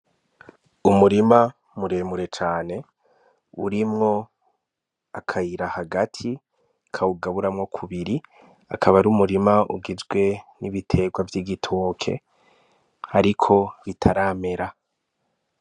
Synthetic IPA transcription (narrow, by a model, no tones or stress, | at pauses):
umuɾima | muɾe̞ːmuɾe̞t͡ʃaːne̞ | ṵɾimŋo̞ | akʰajiɾahaɡatʰi | kʰauɡaβuɾamŋo̞kʰuβiɾi | a̰kʰaβaɾumuɾimaʔṵɡizɡwe̞niβitʰe̞ɡwavjiɡitʰoːkʰe̞̰ | haɾikʰo̞βitʰaɾaːme̞ɾa